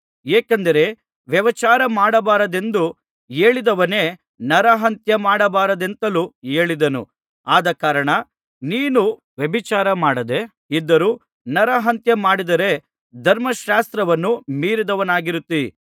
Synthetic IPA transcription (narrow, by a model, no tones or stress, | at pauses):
eːkɐnd̪ɐɾe̞ | ʋjɐʋɐt͡ʃaːɾɐmaːɽɐbaːɾɐd̪e̞nd̪u | eːɭid̪ɐʋɐne̞ː | nɐɾɐɦɐnt̪jɐmaːɽɐbaːɾɐd̪e̞nt̪ɐlue̞ːɭid̪ɐnṵ | aːd̪ɐkaːɾɐɳɐ | niːnu | ʋjɐbʱit͡ʃaːɾɐmaːɽɐd̪e̞ | id̪ːɐɾuː | nɐɾɐɦɐnt̪jɐmaːɽid̪ɐɾe̞ | d̪ʱɐɾmɐʃaːst̪ɾɐʋɐnːumiːɾid̪ɐʋɐnaːɡiɾut̪ːi